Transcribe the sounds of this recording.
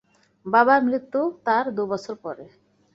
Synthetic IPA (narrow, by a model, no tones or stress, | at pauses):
babamɾit̪ːut̪aɾd̪ubɔt͡ɕʰoɾpɔɾe